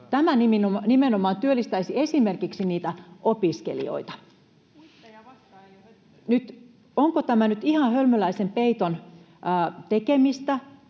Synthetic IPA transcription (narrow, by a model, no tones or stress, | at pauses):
t̪æmæniminonimenomɑːnt̪yølːist̪æisiesimerkiksiniːt̪æʔopiskḛlḭo̰it̪ɑ̥ | nyt̪ | oŋkot̪æmænyt̪ihɑhølmølæisempeit̪onː | t̪ekemist̪æ